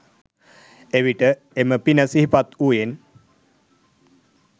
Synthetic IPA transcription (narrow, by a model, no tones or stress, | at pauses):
eʋiʈə | eməpinəsiɦipat̪uːjen